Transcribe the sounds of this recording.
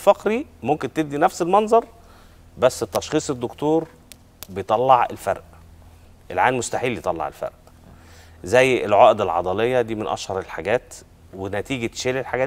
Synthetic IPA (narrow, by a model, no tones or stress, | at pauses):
fɑqɾimomkent̪eb̚d̪inæfselmɑnzˤɑɾˤ | bæsːet̪ːɑʃχiːsˤed̪ːokt̪uːɾ | bejt̪ˤɑlːɑʕḛlfæ̰ɾˤʔ | ʔelʕaːlmost̪aħiːlːjet̪ˤɑlːɑ̰ʕḛlfæ̰ɾʔ | zæjːḛlʕɑːʔed̪elʕɑ̰d̪ˤɑlejːɑd̪iːmenʔɑ̰ʃhɑɾˤelħaɡæːt̪ | wenæt̪iːɡæʃeːlelħaɡæː